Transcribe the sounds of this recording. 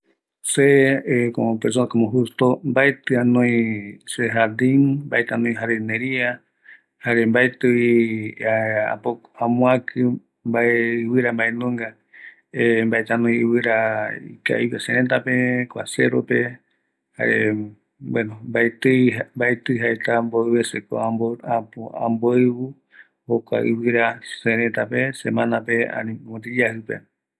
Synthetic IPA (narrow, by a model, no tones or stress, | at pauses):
seekoopes̬okomõɦust̪ombaet̪ɨanõĩseɦad̪inba̰et̪ɨanõĩɦaɾenẽɾia | haɾembaet̪ɨ | aa̰po | ãmũakʰɨ | mbaeɨwɨɾambaenõŋɡa | embaet̪anõj̃ɨwɨɾaḭka̰iwesẽɾẽt̪apekʷa̰seɾope | ha̰ʔe | bwenombaet̪ɨjmbaet̪ɨɦaet̪amboeβeseko̰aapoã̰mboeβu | hokʷa̰ʔɨ̰wɨɾasẽɾ̃ẽt̪apesemãnãpeã̰nĩõt̪̬id͡ʒahɨpḛ